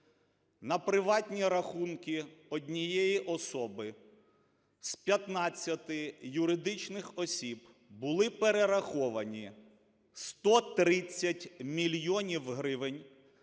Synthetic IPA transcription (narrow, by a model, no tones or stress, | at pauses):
nɐpɾɪʋɑtʲnʲiɾɐxunkʲiɔdʲnʲijɛjiʔɔsɔbɪ | spʲjɐt̪nɑt͡sʲːɐt̪ɪjʊɾɪd̪ɪt͡ʃnɪxɔsʲib | bʊlˠɪpeɾeɾɐxɔʋɐnʲi | st̪ɔt̪ɾɪt͡sʲːɐtʲmʲilʲjɔnʲiwɦɾɪʋɪnʲ